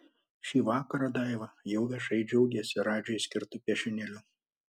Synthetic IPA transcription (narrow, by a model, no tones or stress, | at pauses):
ʃʲiːʋɑːkɐɾɐd̪ɑɪʋɐjɛʊʋʲiɛʃɐɪd͡ʒʲɛʊɡʲɛsʲɪɾɑːd͡ʒʲoːjsʲkʲɪɾt̪ʊpʲɛʃʲɪnʲɛlʲʊ